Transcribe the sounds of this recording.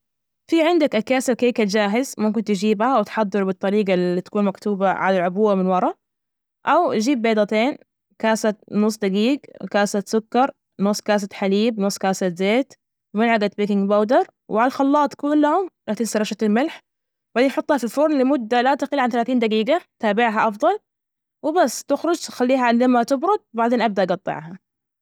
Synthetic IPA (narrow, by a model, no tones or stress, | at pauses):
fiʕɪnd̪akʔakaːsalkaːkat̪d͡ʒaːɦɪzmʊmkɪnt̪ɪd͡ʒiːbhawɪt̪ħɑd̪ˤːɨɾˤbɨt̪ˤːɑɾiːɡalːit̪ḁkuːnmakt̪uːbaʕa̰lalʕʊbuːamɪnwɑɾˤɑ | ʔawʔad͡ʒiːbːeːd̪ˤɑt̪eːn | kaːsat̪nʊsˤd̪aɡiːɡkaːsat̪sʊkːɑɾˤ | nʊsˤːkaːs̬at̪ħaliːbnʊsˤkaːsat̪zeːt̪ | mɪnʕaɡat̪̚beːkɪŋɡbawd̪ɑɾˤ | wɪʕalalxɑlːɑːt̪ˤːkʊlllahʊmlat̪ɪlsɑɾˤɑʃat̪ɪlmɪlħ | baʕd̪eːnħʊt̪ˤːhɑfilfʊɾˤnlɪmʊd̪ːalat̪aqɪlʕanθalaːθiːnd̪aɡiːɡat̪aːbɪʕɦaʔɑfðˤɑl | wɪbasːt̪ɪxɾʊd͡ʒt̪xalːiːɦaʕɪnd̪amat̪ɪbɾʊd̪̚baʕd̪eːnʔab̚d̪aʔɑɡɑt̪ˤːɪ̰ʕɦa